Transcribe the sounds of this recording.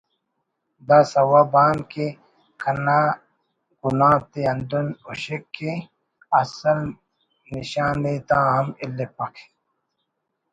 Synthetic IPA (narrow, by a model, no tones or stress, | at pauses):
d̪asɐwabaːnke | kʰɐna | ɡunãːt̪eɐnd̪unuɕekːe | ɐsɐl | niɕaːnet̪ãːɦɐmilːepɐkʰe̥